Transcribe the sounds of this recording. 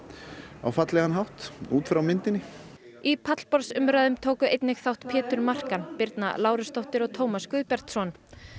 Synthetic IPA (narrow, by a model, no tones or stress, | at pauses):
a̰wfat̪lɛɣhanɦawht̪uːt̪fɾawmɪnt̪ɪnɪ | ipʰat̪l̥pɔɾsʏmɾaðʏmt̪ʰoːwkʏʔejt̪nɪxθawht̪pʰɛːt̪ʏɾmar̥kanpɪɾt̪na̰laːwɾʏst̪ɔwht̪ɪɾɔɣt̪ʰoːwmaskvʏːðpɛɾ̥t̪sɔn